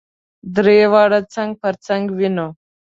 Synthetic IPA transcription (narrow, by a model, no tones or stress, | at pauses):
d̪ɾewaːɽat͡saŋɡ̚pəɾt͡saŋɡwino